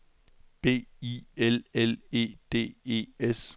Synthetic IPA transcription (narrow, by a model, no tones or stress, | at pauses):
b̥e̝̰ːielele̝̰ːd̥e̝̰ːe̝̰ːes